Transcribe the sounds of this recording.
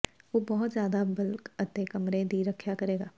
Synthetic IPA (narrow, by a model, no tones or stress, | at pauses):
ʋoːbɔɦʊt̪zjaːd̪abɐlkɐt̪ːekɐmɾẽd̪ʱiɾɐkʰjakɐɾeːɡaː